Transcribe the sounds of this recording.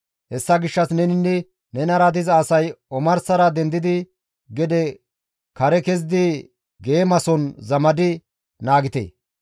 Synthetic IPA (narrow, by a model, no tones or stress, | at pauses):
hɛsːɐɡɪʃːɐsnɛnɪnːɛ | nɛnɐɾɐd̪ɪzːsɐjɔmɐɾsɐɾɐd̪ɛnd̪ɪd̪ɪ | ɡɛd̪ɛ | kɐɾɛkɛzd̪ɪ | ɡeːmɐsɔnzɐmɐd̪ɪ | naːɡɪt̪ḛː